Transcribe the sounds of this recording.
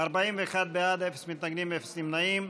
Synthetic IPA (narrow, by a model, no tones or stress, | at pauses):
aɾbaimveːχad̪̚bead̪efesmit̪naɡnimefe̥simnaim